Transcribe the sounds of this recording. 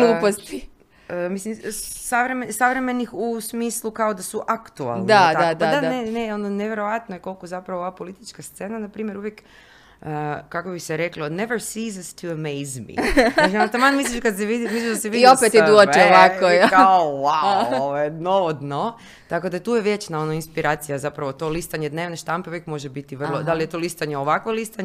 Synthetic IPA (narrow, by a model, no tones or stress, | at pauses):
nupost̪i | mislimsaʋɾemesaʋɾeme̞nixusmiːslˠukaod̪asuʔakt̪ua̰lˠnd̪ad̪aad̪adaaneneononeʋjeɾoʋat̪nojeko̞lˠkozapɾaʋooʋapo̞lit̪it͡ʃkast̪se̞ːnanapɾiːmje̞ɾuʋjek | əkːakobixseɾekloneʋəɾsiːzast̪ʰuəmejzmḭasimat̪amanmisliʃkad̪seʋid̪imislʲiʃd̪aseʋidiopet̪id̪uot͡ʃɛoʋakokowawoʋojnoʋod̪no | t̪ako̞d̪at̪uːjeʋjet͡ʃnao̞noinspiɾʔaːt̪sijazapɾaʋo̞t̪o̞list̪aɲed̪ne̞ːʋneʃt̪ampeuʋjekmo̞ʒebit̪iʋr̩lˠod̪alijet̪olist̪aɲeoʋakʋolist̪aɲ